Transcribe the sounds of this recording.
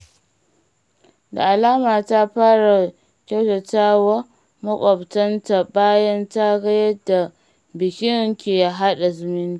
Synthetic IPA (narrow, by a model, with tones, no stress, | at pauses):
da̰˨ʔa˨laː˦maː˨ta˦ɸaː˦ɽa˨ | kʲa˦wta˨taː˦wa˦ | mɐ˦kʷʼɔ˨btɐ˦nta˨baː˦jɐ˦nta˦ɡɐ˦jɐ˦da˨ | bɪ˨kʲɪ˦ŋkʲeː˨ja˨ɦa˦ɗa˨zʊ˨mɪ˦nti˦